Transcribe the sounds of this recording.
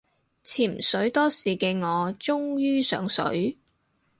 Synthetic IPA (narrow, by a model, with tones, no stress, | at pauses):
t͡sʰiː˨˩m̩˨˩sɵ˨˥ɥt̪ɔː˥siː˨kɛː˧ŋɔː˨˧t͡sʊ˥ŋjyː˥sœː˨˥ŋsɵ̰˨˥ɥ